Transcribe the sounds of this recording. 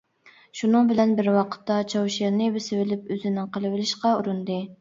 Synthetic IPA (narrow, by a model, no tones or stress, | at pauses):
ʃunɨŋbɪlɛnbɪɾwɑqʰə̥t̪ːɑt͡ʃʰɑwʃɑɾnɨbɪsɪvɪlɪpøzɪnɪŋqʰəlˠɨwɪlɪʃqɑuɾund̪ɨ